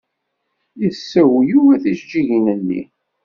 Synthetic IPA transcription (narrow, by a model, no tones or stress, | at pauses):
jəsːæwjuvæθiʃd͡ʒiʝinənːḭ